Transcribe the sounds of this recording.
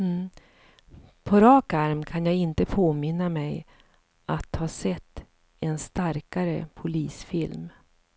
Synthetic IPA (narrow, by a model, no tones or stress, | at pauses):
pʰɔɾɑːkaɾmkʰanjaːɡɪnt̪əpʰoːmɪnːamɛj | ʔat̪hɑːsɛt̪ː | ɛnst̪aɾkaɾə̰pʰʊliːsfɪlm